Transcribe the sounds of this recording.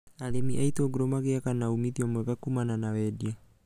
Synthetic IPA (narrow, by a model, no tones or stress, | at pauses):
alemiʔaitoɡuɾɔmaɣeakanaumiðiɔmwɛɣakumananawɛdia